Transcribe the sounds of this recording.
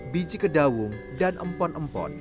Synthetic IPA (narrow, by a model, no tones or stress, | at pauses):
bid͡ʒikədawʊŋ | danʔəmpɔnəmpɔ̰n